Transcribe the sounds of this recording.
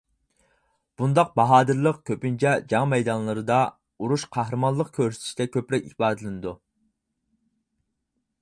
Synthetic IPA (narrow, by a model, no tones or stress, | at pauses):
b̥und̪ɑq̚bɑɦɑːd̪ɨɾlˠəqkʲʰøpynt͡ʃʰɛd͡ʒɑŋmɛjd̪ɑnlˠɨɾɨd̪ɑ | uɾuʃqʰɑhɾɨmɑnlˠəqkʲʰøɾsɪ̥t̪ʰiʃi̥d̪ɛkʲʰøpɾɛkʲihbɑːd̪ɨlˠɨnɨd̪u